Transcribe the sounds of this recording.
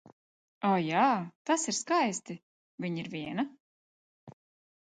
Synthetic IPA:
ɔːjaːt̪asiɾskajst̪i | vʲiɲiɾvʲiɛna

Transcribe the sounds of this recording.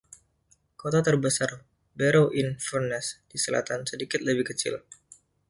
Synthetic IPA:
kot̪at̪ərbəsar | bɛɾowʔinfurnɛsd̥isəla̰t̪ansədikɪt̪̚ləbɪhkət͡ʃɪ̰l

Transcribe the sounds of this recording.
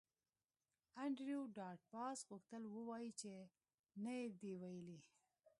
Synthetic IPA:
aɳɖɾjoɖɑʈ̚pɑsɣʊxt̪əlwəwɑjit͡ʃe | najed̪ewajəli

